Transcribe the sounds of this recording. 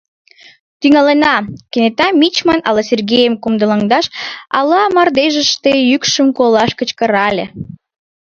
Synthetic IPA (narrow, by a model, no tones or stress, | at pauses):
t̪yŋɑlenɑkenet̪ɑmʲit͡ɕmɑnɑ̰lɑsʲerɡʲejəmkumd̪əlɑŋd̪ɑʃɑ̰lɑmɑrd̪eʒəʃt̪ejykʃəmkolɑʃkə̆t͡ɕkəɾɑlʲe